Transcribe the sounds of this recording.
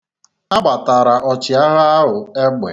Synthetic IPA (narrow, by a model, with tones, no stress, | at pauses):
a˦ɡ͡ba˨ta˨ɾa˨ɔ˨t͡ʃɪ˨a˦ɦa˦a˦ɦʊ˨e˦ɡ͡bʷḛ˨